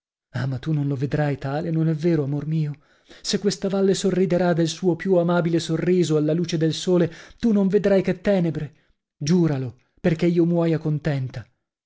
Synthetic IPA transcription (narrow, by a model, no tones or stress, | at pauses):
amat̪ːunonloved̪ɾajt̪aːlenonɛvːeːɾoamormiːo | sekːwest̪avalːesorːid̪eɾad̪elsuːopjuamaːbilesorːiːzoalːaluːt͡ʃed̪elsoːlet̪unoɱved̪ɾajket̪ːɛːnebɾe | d͡ʒuːɾalo | perk̟eiːomwɔjakont̪ɛnt̪a